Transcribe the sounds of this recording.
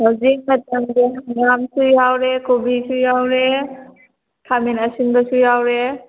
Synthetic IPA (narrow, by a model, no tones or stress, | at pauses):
hawzik̚mataŋdeɦaamsujawɾekobisujawɾe | kʰaminasinbasujawɾe